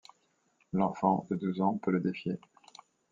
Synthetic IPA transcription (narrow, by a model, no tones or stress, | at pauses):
lɑ̃fɑ̃d̪əd̪uzɑ̃pøləd̪efje